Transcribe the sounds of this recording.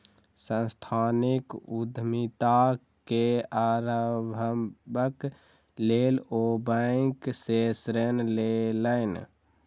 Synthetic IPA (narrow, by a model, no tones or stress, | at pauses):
sə̃nst̪ʰanikud̪ʱmit̪a | keaɾəbʱəbək | lelobəɪksesɾenleləɪn